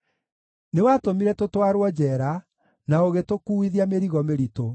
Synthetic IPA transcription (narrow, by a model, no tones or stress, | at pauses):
newatomiɾɛtotwaɾwɔd͡ʑɛːɾa | naoɣetokuiðiameɾiɣɔmeɾito